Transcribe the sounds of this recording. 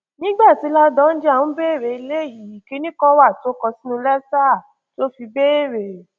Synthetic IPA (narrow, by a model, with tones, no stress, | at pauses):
nĩ˦ɡ͡ba˦˨ti˨˦la˦dɔ̃˦n̩˦d͡ʒe˦a˦˨wũ˨˦be˦e˦˨ɾe˨i˧le˦˨ji˨˦˨ki˨˦nĩ˦kã˦wa˦˨to˨˦kɔ˧si˦nũ˧lɛ˦sa˦˨ | to˦fi˧be˦e˦˨ɾe˨